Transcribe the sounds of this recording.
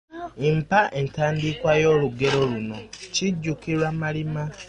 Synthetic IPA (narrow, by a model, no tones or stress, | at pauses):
impaʔentaːndikwajo̞ːluɡe̞ɾo̞luno̞ciɟːukiɾwamalima